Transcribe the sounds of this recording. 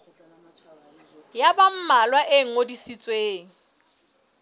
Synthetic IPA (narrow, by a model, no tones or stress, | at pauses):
jabam̩malwaʔeŋ̩odisit͡sʼweːŋ̩